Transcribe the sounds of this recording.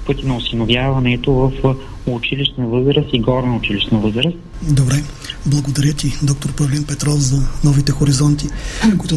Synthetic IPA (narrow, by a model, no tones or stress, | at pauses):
pɤt̪ʲinɐʊsinovjavɐnɛt̪ovɐf | ʊt͡ʃiliʃnəvəzɾəst̪iɡɔɾnəʊt͡ʃiliʃnəvɤzɾəsd̪obɾɛ | blˠɐɡod̪ɐɾʲət̪id̪ɔk̚t̪oɾpɐvlɛnpɛt̪ɾɔfzɐnɔvit̪ɛxoɾizɔnt̪ikoit̪ʊ